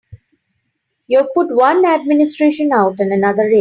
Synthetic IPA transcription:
jupʊʈʋʌ̃næɖ̚mɪnɪsʈɾeːʃə̃naʊʈɪ̃nənʌd̪əɾːe

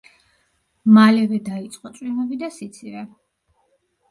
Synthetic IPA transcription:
malɛvɛd̪ait̪sʼqʼɔt̪sʼwimɔbid̪asit̪sʰivɛ

